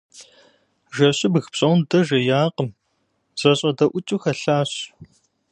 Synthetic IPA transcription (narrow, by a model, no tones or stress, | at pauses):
ʒɐɕɪbɣpɕʼɐwndɐʒɐjaːqəm | z̥ɐɕʼɐdɐʔʷʊt͡ʃʼuxɐɬaːɕ